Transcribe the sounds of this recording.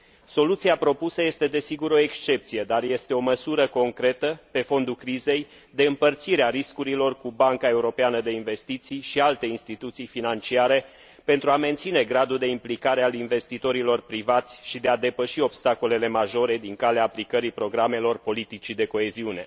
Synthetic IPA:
so̞lut̪siapɾo̞pusəje̞st̪e̞d̪e̞siɡuɾo̞e̞kst͡ʃe̞p̚t̪sije̞d̪arje̞st̪e̞o̞məsuɾəko̞ŋkɾe̞t̪əpe̞fo̞nd̪ukɾize̞j | d̪e̞ɨmpərt̪siɾeaɾiskuɾilo̞rkubaŋkae̞uɾo̞peanəd̪e̞inve̞st̪it̪sijʃialt̪e̞inst̪it̪ut̪sijfinant͡ʃiaɾe̞ | pe̞nt̪ɾuame̞nt̪sine̞ɡɾad̪uld̪e̞implikaɾe̞alinve̞st̪it̪o̞ɾilo̞rpɾivat̪sʲʃid̪e̞ad̪e̞pəʃio̞bst̪ako̞le̞le̞maʒo̞ɾe̞d̪iŋkaleaːplikəɾipɾo̞ɡɾame̞lo̞rpo̞lit̪it͡ʃid̪e̞ko̞e̞ziune̞̰

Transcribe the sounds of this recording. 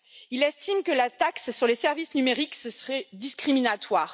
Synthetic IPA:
ilɛst̪imkəlat̪aksːyʁlesɛʁvisnymeʁiksəsəʁɛd̪iskχiminat̪waːʁ

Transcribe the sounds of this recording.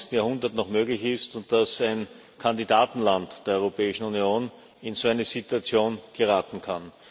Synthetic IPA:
stn̩jaɐhʊndɐtnɔχmøːɡlɪçɪstʊnt̚d̥asæɪn | kʰandidaːtn̩lantd̥eːɐɔʏʁopʰɛːɪʃn̩unjoːn | ɪnzoːæɪnəzituat͡sjoːnɡ̥əʁaːtn̩kʰan

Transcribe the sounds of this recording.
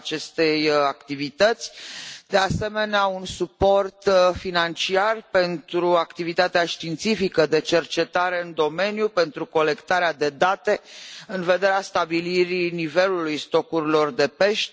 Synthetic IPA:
t͡ʃe̞st̪e̞jakt̪ivit̪ət̪sʲd̪ease̞me̞neaunsupo̞rt̪finant͡ʃiarpe̞nt̪ɾuakt̪ivit̪at̪eaʃt̪int̪sifikəd̪e̞t͡ʃe̞rt͡ʃe̞t̪aɾe̞ɨnd̪o̞me̞njupe̞nt̪ɾuko̞le̞kt̪aɾead̪e̞d̪at̪e̞ɨnve̞d̪e̞ɾeast̪abiliɾinive̞lulujst̪o̞kuɾilo̞rd̪e̞pe̞ʃt̪

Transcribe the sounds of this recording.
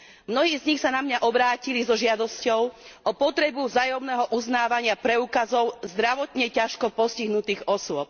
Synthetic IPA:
mnɔɦiːzɲixsanamɲaʔɔbɾaːcilizɔʒɪad̪ɔscɔʊʔɔpɔt̪ɾɛbuvzaːjɔmnɛːɦɔʔuznaːʋaɲɪapɾɛuːkazɔʊzd̪ɾaʋɔt̪ɲɛcaʃkɔpɔsciɦnut̪iːɣɔsʊɔp̚

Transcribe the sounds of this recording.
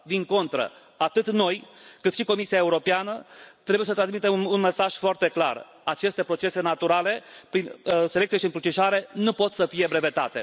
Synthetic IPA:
vinko̞nt̪ɾə̰ | at̪ɨt̪no̞jkɨt̪ʃiko̞misiae̞uɾo̞peanət̪ɾe̞bujesət̪ɾans̬mit̪emunme̞saʒ̥foart̪e̞kla̰r | at͡ʃe̞st̪e̞pɾo̞t͡ʃe̞se̞nat̪uɾale̞pɾinselek̚t̪sieʃiɨŋkɾut͡ʃiʃaɾe̞nupo̞t̪səfije̞bɾe̞ve̞t̪a̰t̪e̞̰

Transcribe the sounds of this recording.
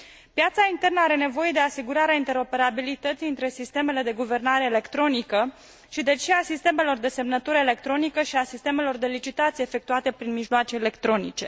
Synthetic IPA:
pjat̪saint̪e̞rnəaɾe̞ne̞vo̞je̞d̪e̞asiɡuɾaɾeaint̪e̞ɾo̞pe̞ɾabilit̪ət̪siɨnt̪ɾe̞sist̪e̞me̞le̞d̪e̞ɡuve̞rnaɾe̞ːle̞kt̪ɾo̞nikə | ʃid̪e̞t͡ʃeasist̪e̞me̞lo̞rd̪e̞se̞mnət̪uɾəele̞k̚t̪ɾo̞nikəʃiasist̪e̞me̞lo̞rd̪e̞lit͡ʃit̪at̪sieːfe̞k̚t̪uat̪e̞pɾinmiʒloat͡ʃe̞ːle̞kt̪ɾo̞nḭt͡ʃe̞̰

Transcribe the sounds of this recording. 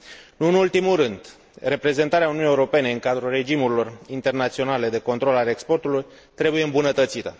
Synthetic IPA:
nuɨnult̪imulɾɨnd̪ | re̞pɾe̞ze̞nt̪aɾeaununiːeuɾo̞pe̞ne̞ɨŋkad̪ɾulre̞d͡ʒimuɾilo̞rint̪e̞rnat̪sio̞nale̞d̪e̞ko̞nt̪ɾo̞lalekspo̞rt̪uluj | t̪ɾe̞buje̞ɨmbunət̪ət̪sit̪ə

